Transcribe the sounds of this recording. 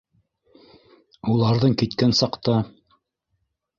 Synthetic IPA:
ulˠɑɾðɤɴkit̪kænsɑqt̪ɑ

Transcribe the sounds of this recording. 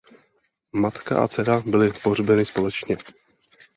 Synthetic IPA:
mat̪ka̰ʔa̰t͡sɛɾabɪlɪpor̝bɛnɪspo̞lɛt͡ʃɲɛ

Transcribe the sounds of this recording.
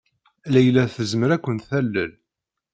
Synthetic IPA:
læjlːæθəzməɾækʷːənt̪θælːəl

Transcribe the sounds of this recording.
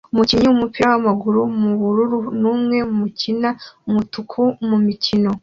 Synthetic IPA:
umuciɲiumupiɾawamaɡuɾumuβuɾuɾunuːmŋe̞mumucinaumutukʰumumicino̞

